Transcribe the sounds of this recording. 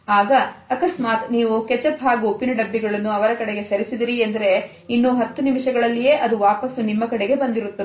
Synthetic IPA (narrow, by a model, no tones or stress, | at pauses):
aːɡɐːkɐsmaːt̪niːʋuket͡ʃɐpɦaːɡuopinɐɖɐbːiɡɐɭɐnːuɐʋɐɾɐkɐɽeɡe̞sɐɾisid̪iɾiɐnd̪ɐɾe̞ | inːuːɦɐt̪ːunimiʂɐɡɐɭɐlːije̞ːʔɐd̪uʋaːpɐsunimːɐkɐɽeɡe̞bɐnd̪iɾut̪ːɐe